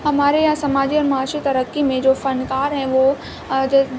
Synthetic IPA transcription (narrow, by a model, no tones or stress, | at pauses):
hɐmaːɾejãsɐmaːd͡ʑiɔːɾmaːʃit̪ɐɾəkːimẽd͡ʑoːfɐnkaːɾɦɛ̃ʋo